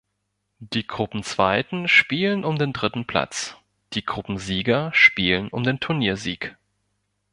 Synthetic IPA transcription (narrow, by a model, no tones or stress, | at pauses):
d̥iːɡʁʊpm̩t͡sv̥aɪtn̩ʃpiːlənʊmdeːndʁɪtn̩pʰl̥a̰t͡s | d̥iːɡʁʊpm̩ziːɡɐʃpiːlənʔʊ̰mdeːntʰʊɐniːɐzḭːk